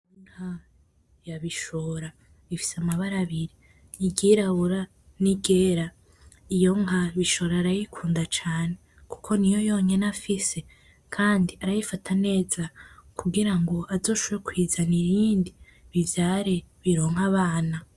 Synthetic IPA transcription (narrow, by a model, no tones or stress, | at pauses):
unha | jaβiʃoːɾa | βifi̥samaβaɾaβiɾiː | ɡiɾaβuɾa | niɡe̞ɾa | ijo̞ŋaβiʃo̞ːɾaːɾajikʰuːndat͡ʃaːne̞ | ku̥kʰo̞nijo̞jo̞ːɲe̞nafise̞ | kʰaːndiaɾajifatʰane̞ːzakuɡiɾaŋɡo̞ʔazo̞ːʃoβjekwiːzaniɾiːndi | βivjaːɾeβiɾoːŋ̥haβaːna